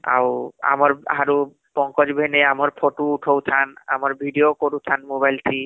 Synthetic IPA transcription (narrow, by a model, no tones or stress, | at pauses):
a̰wa̰mɔɾɦaɾu | pɔŋkɔd͡ʑbʱeneamɔɾpʰoʈuːʈʰowt̪ʰana̰mɔɾbʱiɖiokoɾut̪ʰanmobajlt̪ʰi